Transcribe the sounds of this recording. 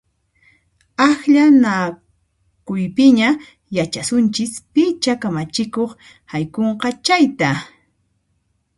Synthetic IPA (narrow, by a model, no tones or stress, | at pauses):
axʎana | kʊjpɪɲa | jat͡ʃasʊnt͡ʃɪspɪt͡ʃakamat͡ʃɪkoχ | hajkoɴqɑt͡ʃajt̪a